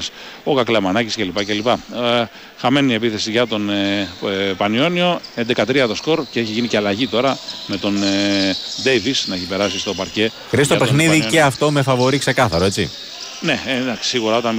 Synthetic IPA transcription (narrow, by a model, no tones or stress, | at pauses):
s | okɐklemɐnɐcisce̞lipɐce̞lipɐ | xɐme̞nie̞piθe̞siʝɐt̪o̞n | pɐnio̞nio̞e̞nd̪e̞kɐt̪ɾiɐt̪o̞sko̞ɾce̞eçiʝinice̞ɐlɐʝit̪o̞ɾɐme̞t̪o̞n | d̪e̞jvisnɐeçipe̞ɾɐsist̪o̞pɐɾce̞ | xɾiɐst̪opexniððice̞ɐft̪o̞me̞fɐvo̞ɾikse̞kɐθɐɾo̞e̞t͡sḭ | ne̞ed̪ɐksi̥siɣuɾɐo̞t̪ɐn